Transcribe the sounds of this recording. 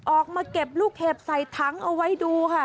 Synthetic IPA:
ʔɔː˨˩k̚maː˧ke˨˩p̚luː˥˩k̚hʰeː˧˩p̚sa˨˩jt̪ʰa˦˥ŋʔa˧wa˦˥jduː˧kʰa˥˩

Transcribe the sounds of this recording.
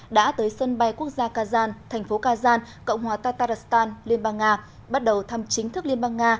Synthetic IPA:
ɗa̰ː˧˥t̪əː˨˦jsə˧nɓa˧jku˦˥ək̚zaː˧kaː˧zaː˧nt̪ʰɛ˨˩ŋ̟fo˨˦kaː˧zaː˧n | kə̰˧˨wŋ͡mhwaː˨˩t̪aː˧t̪aː˧ɾa˨˩st̪aː˧nli˧ənɓaː˧ŋːaː˧ | ɓa˦˥t̚ɗə˨˩wt̪ʰa˧mt͡ɕï˨˦ŋ̟t̪ʰɨ˦˥k̚li˧ənɓaː˧ŋːaː˧

